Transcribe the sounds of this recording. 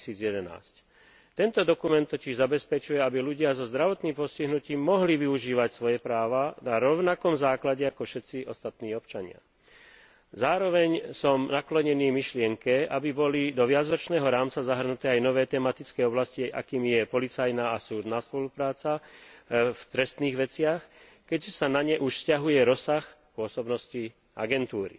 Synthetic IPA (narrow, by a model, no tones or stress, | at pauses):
siːd͡zjɛd̪ɛna̰ːsc | t̪ɛnt̪ɔd̪ɔkumɛnt̪ːɔciʒzabɛspɛt͡ʃujɛabiluɟɪazɔzd̪ɾaʋɔt̪niːmpɔsciɦnuciːmːɔɦliʋiuʒiːʋacsʋɔjɛpɾaːʋanaɾɔʊnakɔmzaːklaɟɛakɔfʃɛt̪t͡siʔɔst̪at̪niːɔpt͡ʃaɲɪa̰ | zaːɾɔʋɛɲsɔmnaklɔɲɛniːmiʃlɪɛŋkɛabibɔlid̪ɔʋɪad͡zɾɔt͡ʃnɛːɦɔɾaːmt͡sazaɦr̩nut̪ɛːajnɔʋɛːt̪ɛːmat̪it͡skɛːɔblasciʔa̰kiːmjɛpɔlit͡sajnaːasuːd̪naːspɔlupɾaːt͡sa | ft̪ɾɛst̪niːɣʋɛt͡sɪax | kɛcsanaɲɛʔuʃscaɦujɛɾɔsax | pʊɔsɔbnɔsci | ʔa̰ɡɛnt̪uːɾḭ